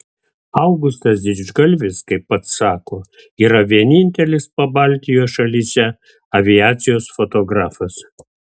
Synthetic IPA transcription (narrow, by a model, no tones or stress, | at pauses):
ɐʊɡʊst̪ɐsd̪ʲɪʒɡɐlʲʋʲɪskɐɪpːɐt̪ssɑːkoː | iːɾɐʋʲiɛnʲɪnʲt̪ʲɛlʲɪspɐbɑˑlʲt̪ʲɪjoːsʃɐlʲisʲɛ | ɐʋʲɪjaːt̪sʲɪjoːsfot̪oːɡɾɑːfɐs